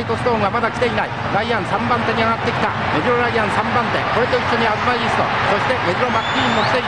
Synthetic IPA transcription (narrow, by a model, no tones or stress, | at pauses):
it̪o̞sɨ̥t̪oŋɡamad̪akʲt̪e̞inai | ɾaiãɰ̃sãmbãnt̪e̞ɲ̟iaɡat̪ːe̞kʲi̥t̪a̰ | me̞dɯɾoɾaiãɰ̃sãmbãnt̪e̞̰ko̞ɾe̞t̪o̞isoɲ̟iazɨmaiisɨ̥t̪o̰so̞ɕi̥t̪e̞me̞d̪ɯɾomakːimːokʲi̥t̪e̞